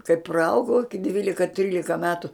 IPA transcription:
kɐɪ prɐˈɐʊɡɐʊ ɪkʲɪ ˈdʲʋʲiːlʲɪkɐ ˈtʲrʲiːlʲɪkɐ ˈmʲæːtʊ

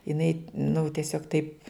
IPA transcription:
jɪˈnɐɪ nʊ tʲiɛˈsʲoːk tɐɪp

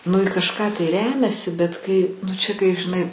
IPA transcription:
nʊ ɪ kɐʃˈkɑː tɐɪ ˈrʲæːmʲɛsʲɪ bʲɛt ˈkɐɪ nʊ ˈt͡ʃʲɛ kɐɪ ʒʲɪˈnɐɪ

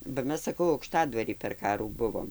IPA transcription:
bɐ ˈmʲɛs sɐˈkɐʊ ɐʊkˈʃtɑːdʋɐrʲiː pʲɛr ˈkɑːruː ˈbʊʋoːm

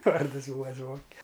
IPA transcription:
ˈʋɐrdɨs ˈbuːɐ ˈzʋoːŋʲkʲɛ

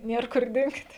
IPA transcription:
ˈnʲiɛr kʊr ˈdʲɪŋkt

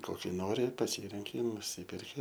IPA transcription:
ˈkoːkʲɪ ˈnoːrʲɪ pɐˈsʲiːrʲɛŋʲkʲɪ ɪ nʊˈsʲiːpʲɛrʲkʲɪ

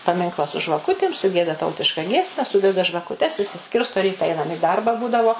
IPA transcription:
pɐˈmʲɪŋklˠɐ sʊ ʒʋɐˈkʊtʲɪm sʊˈɡʲiɛdɐ ˈtɐʊtʲɪʃkɐ ˈɡʲiɛsʲmʲɛ ˈsʊdʲɛdɐ ʒʋɐkʊˈtʲɛs ɪʃʲsʲɪˈsʲkʲɪrstoː ˈrʲiːtɐ ˈɐɪnɐm ɪ ˈdɐrbɐ ˈbuːdɐʋoː

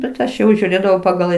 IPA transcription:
bʲɛt ˈɐʃ jɛʊ ʒʲuːˈrʲeːdɐʋɐʊ pɐˈɡɐlˠ

